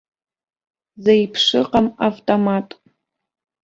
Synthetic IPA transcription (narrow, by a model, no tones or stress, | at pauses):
zɐjpʰʂɨqɐmavtʰʼomaːtʼ